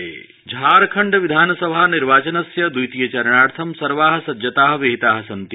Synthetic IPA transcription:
eː | d͡ʒʱaːɾkʰɐɳɖɐʋid̪ʱaːnɐsɐbʱaːniɾʋaːt͡ʃɐnɐsjɐd̪ujt̪ijɐt͡ʃɐɾɳaːɽt̪ʰɐmsɐɾʋaːɦɐ̆sɐd͡ʒɐt̪aːɦɐ̆ʋiɦit̪aːɦɐ̆sɐnt̪i

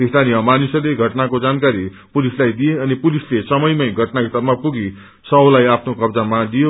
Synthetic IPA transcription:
ist̪ʰanijʌmanusʌleɡʱʌʈnakod͡zankaɾi | pulislajd̪ijeʌnipulislesʌmʌjmʌjɡʱʌʈnaɦit̪ʌɾmapuɡi | sʌlajapʰnokʌbd͡zamalijo

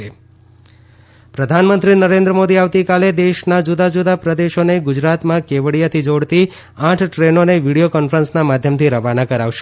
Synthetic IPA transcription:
e | pɾəd̪ʱanmənt̪ɾinəɾẽnd̪ɾəmod̪iaʋt̪ikaled̪eʃnad͡ʒud̪ad͡ʒud̪apɾəd̪eʃoneɡʊd͡ʒɾat̪mãkeʋəɽijat̪ʰid͡ʒoɽt̪i | ãʈʰʈɾenoneʋiɽijokɔnfəɾənsnamad̪ʱjəmt̪ʰiɾəʋanakəɾaʋʃe̥

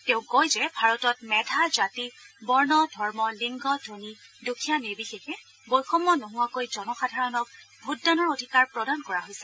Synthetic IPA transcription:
tɛ̃ʊ̃kojzɛbʱaɹɔtɔt̚mɛdʱazatibɔɹnɔdʱɔɹmɔliŋɡɔdʱonidukʰijanibixexɛ | bojxɔmːɔnoɦʊwakojzɔnɔxadʱaɹɔnɔk̚bʱutːanɔɹodʱikaɹpɹɔdankɔɹaɦojsɛ

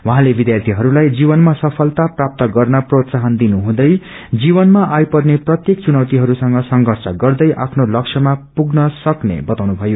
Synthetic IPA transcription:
wãɦãlebid̪jart̪ʰiɦʌɾulajd͡zibʌnmasʌpʰʌlt̪aprap̚t̪ʌɡʌrnʌprot̪saɦʌnd̪inuɦũd̪ʌj | d͡zibʌnmaʔajpʌrneprʌt̪jek̚t͡sunʌwt̪iɦʌɾusʌŋɡʌsʌŋɡʱʌrsʌɡʌrd̪ʌjʔa̰pʰnolʌksʰʌmapuɡnʌsʌknḛbʌt̪awnubʱʌjo

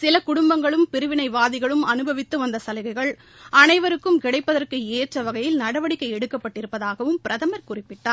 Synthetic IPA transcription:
sɪlɐkʊɽʊmbɐŋɡɐɭɯmpɪɾɯʋɪnɐɪʋaːðɪɣɐɭɯmɐnɯbʱɐʋɪt̪ːɯʋɐnd̪ɐsɐlɐɣɐɪɣɐɭ | ʔɐnɐɪʋɐɾɯkːɯmkɪɽɐɪpːɐðɐrkɯeːʈrɐʋɐɣɐjɪlnɐɽɐʋɐɽɪkːɐɪɛɽɯkːɐpːɐʈːɪɾɯpːɐðaːɣɐʋɯmpɪɾɐðɐmɐɾkʊrɪpːɪʈːaːɾ

